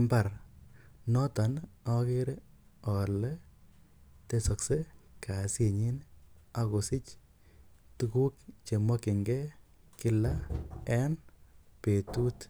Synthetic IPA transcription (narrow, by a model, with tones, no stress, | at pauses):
mba˨ɾ | nɔ˦ta˨nɔ˦kɪ˦ɾe | ɔ˨lɛ˦ | te˦sɔ˨kse˦kʰa˨se˨ɲi˦na˦ko˨sɪ˦t͡ʃ | tu˦ku˦k̚t͡ʃe˨mɔ˦kɪ˨ŋɡɛ˦ | kɪ˦la˦ɛ˦npe˨tu˦t